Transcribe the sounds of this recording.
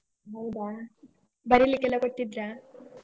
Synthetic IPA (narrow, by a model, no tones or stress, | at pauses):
ɦɐwd̪a | bɐɾilikːɛlːɐkoʈt̪ːid̪ɾa